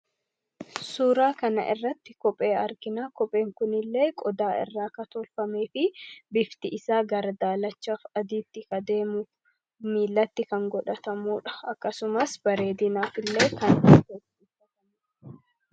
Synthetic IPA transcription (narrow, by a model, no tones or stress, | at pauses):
suːɾaːkɐnɐ̰ʔɪ̰rːɐt̪ːɪkɔpʼe̞ːɐɾɡɪnaːkɔpʼe̞ːŋkʊnɪlːe̞ːkʼɔd̪aːɪ̰rːaːkɐt̪ɔlfɐme̞ːfɪbɪft̪ɪʔɪsaːɡɐɾd̪aːlɐt͡ʃːafɐd̪iːt̪ːɪkɐd̪eːmʊ | miːlːɐt̪ːɪkɐŋɡɔᶑɐt̪ɐmuːᶑɐ̥ɐkːɐsʊmɐsbɐɾe̞ːd̪ɪnaːfɪlːe̞ːkɐnɐkesiːɐtɐmː